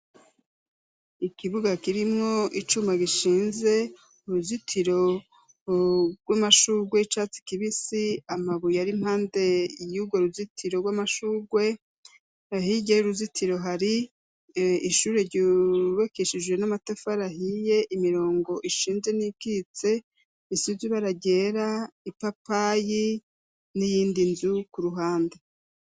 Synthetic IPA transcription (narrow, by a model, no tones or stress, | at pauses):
ikiβuɡakiɾimŋo̞ʔit͡ʃumaɡiʃiːnze̞ | uɾuzitʰiɾo̞ | ɾɡwamaʃuːɡwe̞it͡ʃat͡si̥kiβisiamaβujaɾim̥haːnde̞juɡwoɾuzitʰiɾo̞ɾɡwamaʃuːɡwe̞ | ahiɟeuɾuzitʰiɾo̞ɦaɾi | iʃuːɾe̞ɾɟuβekeʃid͡ʒwe̞namatefaɾaɦije̞ʔimiɾo̞ːŋɡo̞ʔiʃiːnze̞nikit͡se̞ | isiziβaɾaɟe̞ːɾaipapaji | nijiːndinzukuɾuɦaːnde